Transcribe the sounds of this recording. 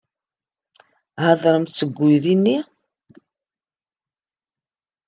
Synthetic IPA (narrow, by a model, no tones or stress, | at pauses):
haðˤɾˤəmt̪səɡʷːujðinːi